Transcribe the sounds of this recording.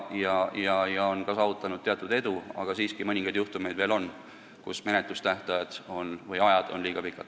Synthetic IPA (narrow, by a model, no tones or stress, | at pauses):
jɑjɑjɑo̞nkɑsɑːvut̪ˑːɑnud̪̥̚t̪eɑt̪ˑud̪e̞d̪uɑ̰ɡ̥ɑsiːskimɤnʲiŋɡɑjd̪juht̪ume̞jd̪ve̞ːlo̞n | kusme̞net̪ˑlust̪æht̪ɑjɑd̪̥o̞nvɤjɑjɑd̪̥o̞̰nliːɡ̥ɑpikːˑɑd̪̥